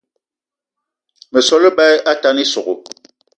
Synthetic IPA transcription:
mə˨sɔ˦lə˦ɓɛ˦ʔa˦ta˦ni˦so˨ɣo˨

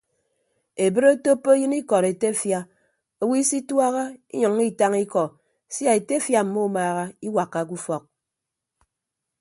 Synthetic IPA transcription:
e˨bɨ˦ɾo˦to˦pːo˦jɨ˦ni˦kɔ˨ɾe˨te˦fja˦ | o˨wi˦si˦twa˦ɣa˦ḭ˦ɲɔ˨ŋi˦ta˦ŋi˦kɔ˨ | si˦a˨e˨te˦fja˨m̩˨˦mo˦maː˨ɣa˦i˦wa˨kːa˨k̬u˦fɔ˨k̚

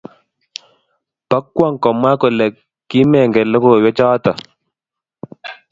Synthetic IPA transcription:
pa˦kːwa˦˨ŋ˨kɔ˨mwa˦ko˨lɛ˨ | kːi˦mɛ˨ŋɡɛ˨lə˦ko˦˨wɛ˦t͡ʃaː˦t̪a˨

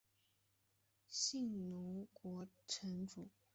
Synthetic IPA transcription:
ɕi˥˩ŋnu˧˥kwɔ˧˥ʈ͡ʂʰə˧˥ŋʈ͡ʂu˨˩˦

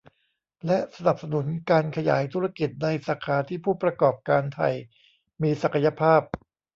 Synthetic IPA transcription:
lɛ˦˥sa˧na˨˩p̚sa˧nu˩˦nkaː˧nkʰa˧ja̰ː˩˦jt̪ʰu˦˥ɾa˧ki˨˩t̪̚na˧jsa˨˩kʰaː˧t̪ʰiː˥˩pʰuː˥˩pɾa˧kɔː˨˩p̚kaː˧nt̪ʰa̰˨˩j | miː˧sa˨˩kʰa˧ja˧˥pʰaː˥˩p̚

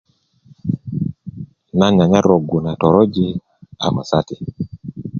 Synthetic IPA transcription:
na˦ɲa˨ɲa˦ɾo˨ɡu˨na˨tɔ˨ɾo˦d͡ʒi˦ | a̰˨ma̰˨sa˦ti˨

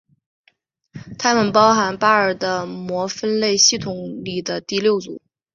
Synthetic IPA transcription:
t̪ʰa˥mə˨npɑ˥ʊxa˧˥npa˥ə˞˨˩d̪ə˦mwɔ˧˥fə˥nle˥˧ɪɕi˥˩t̪ʰʊ˨˥ŋli˨˩d̪ə˦t̪i˥˧ljo˥˩ʊt͡sṵ˨˩˦

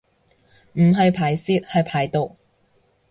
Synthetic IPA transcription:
m̩˨˩ɦɐ˨˧jpʰaː˨˩jsiː˧˥t̚hɐ˨jpʰaː˨˩jt̪o˨˧w

